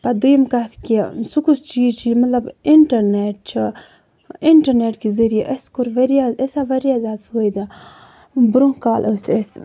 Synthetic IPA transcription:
pɐd̪ujimkat̪ʰkisukust͡ʃiːzt͡ʃʰimɐt̪lɐbiɳʈɐɾneʈ̚t͡ʃʰi | iɳʈɐɾneʈkizɐɾijaʔəskuɾʋɐɾijaəsaʋɐɾjazaːd̪ujd̪a | bɾõŋkaːlʔoses

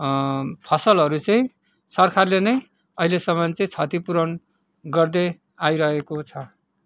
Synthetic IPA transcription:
pʰʌsʌlɦʌɾut͡sʌĩ | sʌrkʰarlenʌj | ʌɦilesʌmʌnt͡sʌĩt͡sʰʌt̪ipuɾʌn | ɡʌrd̪e | ajɾʌɦekot͡sʰʌ

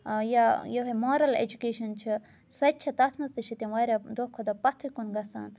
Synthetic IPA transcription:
jajoɦɐmoːɾɐlḛd͡ʒukeːʃɐnt͡ʃʰi | sɐt͡ʃʰɐt̪ɐt̪ʰnɐzt̪ɨt͡ʃʰit̪ʲɐ̃ʋaːɾʲɐd̪okʰːod̪ɐpɐt̪ʰukunɡɐsa̰ːn

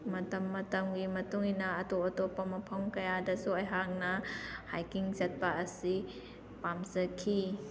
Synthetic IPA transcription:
mɐtɐmːɐtɐmɡimɐtuŋinɐːtoɐtopamɐpʰɐmkɐjadɐsuɐjɦak̚nɐhajkiŋzɐt̚paːsi | pamzɐkʰːi

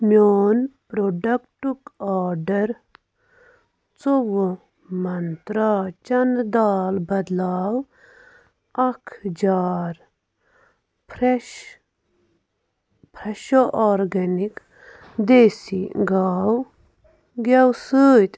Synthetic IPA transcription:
mʲjoːnpɾoɖɐkʈukaːɾɖɐɾ | t͡sowo | mɐnt̪ɾaːt͡ʃɐnd̪aːlbɐd̪laːw | ɐkʰd͡ʒaːɾ | pɾ | pʰɾɐʃoʔɔːɾɡɐnik | d̪eːsḭɡaːw | ɡɐwsɨːt̪

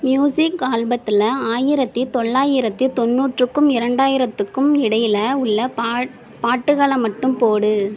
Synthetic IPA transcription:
mjuːsɪkɡaːlbɐt̪ːɪlɐaːjɪɾɐt̪ːit̪ɔɭːaːjɪɾɐt̪ːit̪ɔnːuːʈrɯkːɯmɪɾɐɳɖaːjɪɾɐt̪ːɯkːɯmɪɽɐjɪlɐʊɭːɐ | paːʈːɯɣaːɭɐmːɐʈːɯmpoːɽɯ

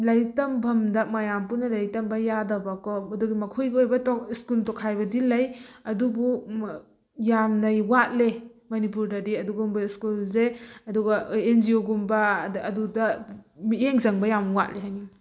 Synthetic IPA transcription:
lɐjtɐmbʱɐmdɐmɐjampunɐlɐjtɐmbɐjadɐbakɔmɐduɡimɐkʰujɡiojbɐtɔiskultɔkʰajbɐdilɐjɐdubu | jamnɐjwat̚lemɐnipuɾdɐdiɐduɡumbɐiskulzeɐduɡɐenzioɡumbɐːdudɐmieŋzɐŋbɐjamwa̰t̚leɦajni

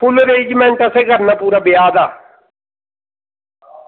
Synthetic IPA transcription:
pʊloɾed͡ʒmɛ̃nt̪aseːɡʱəɾnaːpuːɾaːbɪjaːd̪aː

